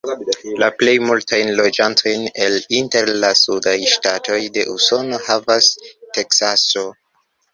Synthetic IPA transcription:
laple̞jmultʰajnlo̞d͡ʒantʰo̞jne̞linte̞ɾlasudajʃtatʰo̞jde̞ʔuso̞no̞havaste̞ksaso̞

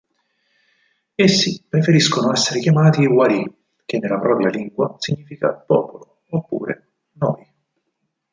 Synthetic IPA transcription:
esːipɾefeɾiskonoɛsːeɾekjamaːt̪iwaɾi | k̟enːelːapɾɔːpɾjaliŋɡwasiɲːiːfika̰pɔːpolo | opːṵːɾḛ | nɔ̰ːj

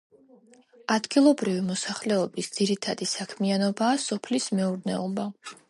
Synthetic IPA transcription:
ad̪ɡilˠɔbɾivimɔsaχlɛɔbisd̪z̥iɾit̪ʰad̪isakʰmianɔbaːsɔpʰlismɛuɾnɛɔba

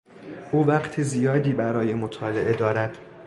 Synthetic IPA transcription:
ʔuːvæqt̪ʰizijɒːd̪iːbæɾɒːje̞mo̞t̪ʰɒːle̞ʔe̞d̪ɒːɾæd̪̥

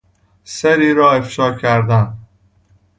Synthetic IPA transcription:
seɾiːɾɒːefʃɒːcʰæɾd̪æn

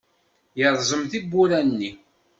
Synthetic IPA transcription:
jəɾˤzˤəmθibːʊɾænːi

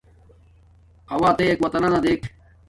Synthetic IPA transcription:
ɐʋaːt̪eːeːkʋɐt̪ɐnanad̪eːkʰ

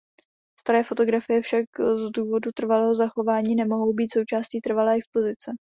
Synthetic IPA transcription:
st̪aɾɛːfo̞t̪o̞ɡɾafɪjɛfʃakzduːvo̞dut̪r̩valɛːɦozaxo̞vaːɲiːnɛmo̞ɦo̞wbiːt̪so̞wt͡ʃaːsciːt̪r̩valɛːɛksplo̞zɪt͡sɛ

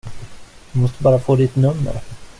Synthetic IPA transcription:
d̪̥ɵmɔst̪əbɑːɾafoːd̪ɪt̪nɵmːə̰ɾ

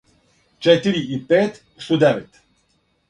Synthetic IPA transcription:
t͡ʃɛt̪iɾiipɛt̪ | st̪ud̪ɛʋɛt̪

